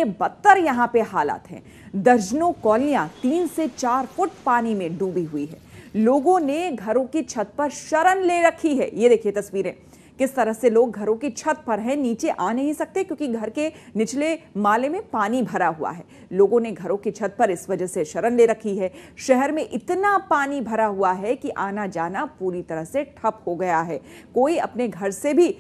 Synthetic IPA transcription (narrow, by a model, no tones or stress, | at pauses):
ebɐt̪ːəɾjɐɦãpeɦaːla̰ːt̪ɦɛ̰̃ː | d̪ɐɾd͡ʒnokɔːlijat̪iːnset͡ʃaːɾfʊʈ̚paːnimẽɖuːbiɦuiɦɛ̰ːloːɡõneɡʱɐɾõkit͡ʃʰɐt̪̚pɐɾʃɐɾənleɾɐkʰiɦɛ̰ːjed̪eːkʰiet̪ɐsʋiːɾḛ̃ː | kɪst̪ɐɾəɦseloːɡ̚ɡʱɐɾõkit͡ʃʰɐt̪̚pɐɾɦɛ̃niːt͡ʃeʔaːnɐɦĩsɐk̚t̪ekjõːkiɡʱɐɾkenɪt͡ʃlemaːlemẽpaːnibʱɐɾaɦua̰ɦɛː | loːɡõneɡʱɐɾõkit͡ʃʰɐt̪̚pɐɾɪsʋɐd͡ʒəɦseʃɐɾənleɾɐkʰiɦɛːʃɛɦɛɾmẽʔɪt̪napaːnibʱɐɾaɦuaɦɛkiʔaːnad͡ʒaːnapuːɾit̪ɐɾəɦseʈʰɐphoɡɐjaɦɛː | koːiɐ̰pneɡʱɐɾsebʱi